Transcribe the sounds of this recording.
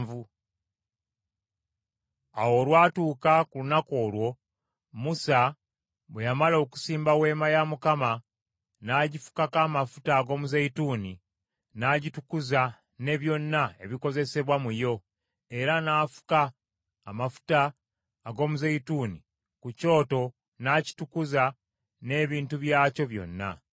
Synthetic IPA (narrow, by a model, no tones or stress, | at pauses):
vu | a̰wo̞lwaːtuːkakulunako̞ːlwo̞ | musa | βwejamalo̞ku̥siːmbawe̞ːmajamukama | naːɟifu̥kakaːmafu̥taːɡo̞muzeituːni | naɟitukuza | ne̞βjo̞nːae̞βiko̞ze̞se̞βwamujo̞ | e̞ɾanaːfu̥kaː | mafu̥taː | ɡo̞ːmuzeituːni | kuco̞ːto̞ | naːci̥tukuza | ne̞ːβiːntuβjaːco̞βjo̞̰nːa̰